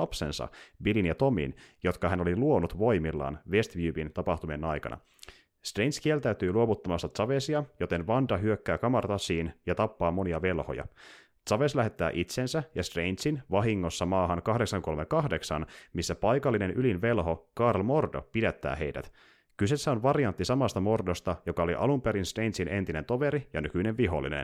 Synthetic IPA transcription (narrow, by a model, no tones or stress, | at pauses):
ɑpse̞̰nsɑ̰bilinjɑt̪o̞mḭnjo̞t̪kɑɦæno̞liluo̞nut̪ʋo̞jmilːɑ̰ːnʋe̞st̪ʋjyːbint̪ɑpɑht̪umienɑjkɑ̰nʔɑ̰ | st̪rejnskielt̪æyt̪yːluo̞ʋut̪ːɑmɑst̪ɑt̪sɑʋesiɑjo̞t̪e̞nʋɑndɑɦyøkːæːkɑmɑrt̪ɑsiːnjɑt̪ɑpːɑːmo̞niɑʋe̞lho̞̰jɑ̰ | t̪sɑʋe̞slæɦe̞t̪ːæ̰ːʔit̪sensæjɑst̪rejnt̪sinʋɑɦiŋːo̞sːɑmɑːɦɑŋkɑhdeksɑŋko̞lmekɑhde̞ksɑnmisːæpɑjkɑlːine̞nʔylinʋe̞lɦo̞kɑrlmo̞rdo̞̰pidæt̪ːæ̰ːɦe̞̰jdæ̰t̪ | kyse̞sːæo̞nʋɑriɑnt̪ːisɑmɑst̪ɑmo̞rdo̞st̪ɑjo̞kɑo̞lḭʔɑlumpeɾinst̪rejnt̪sine̞̰nt̪ine̞nt̪o̞ʋe̞ɾijɑnykyneʋʋiɦo̞̰lːḭnḛn